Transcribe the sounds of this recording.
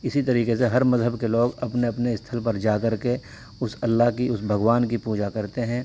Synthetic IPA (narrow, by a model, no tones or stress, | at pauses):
ɪsit̪ɐɾiːkeseɦɐɾmɐzɦəbkeloːɡɐpneɐpneɪst̪ʰəlpɐɾd͡ʒaːkɐɾke | ʊsɐlːakiʊsbʱɐɡʋaːnkipuːd͡ʒakɐɾt̪eɦɛ̃ː